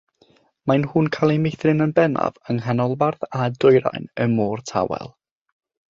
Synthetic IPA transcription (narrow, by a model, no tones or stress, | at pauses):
manhuːnkʰalˠimejθrɪnənbɛna̰vəŋɦanɔlˠbarðadʊɨɾa̰jnəmɔːrtʰa̰wɛ̰lˠ